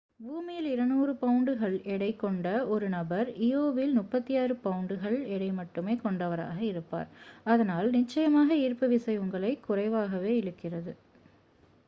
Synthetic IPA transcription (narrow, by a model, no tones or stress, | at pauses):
buːmɪjɪlɪɾɐnuːrɯpɐʊɳɖɯɣɐɭɛɽɐɪkːɔɳɖɐɔɾɯnɐbɐɾioːʋɪlnʊpːɐt̪ːijaːɾɯpɐʊɳɖɯɣɐɭɛɽɐɪmɐʈːɯmeːkɔɳɖɐʋɐɾa̰ːɣɐɪɾɯpːa̰ːɾɐðɐnaːlnɪt͡ʃːɐjɐmaːɣɐiːɾpɐʋɪsɐɪʊŋɡɐɭɐɪkːʊrɐɪʋaːɣɐʋeːɪɽɯkːɪrɐðɯ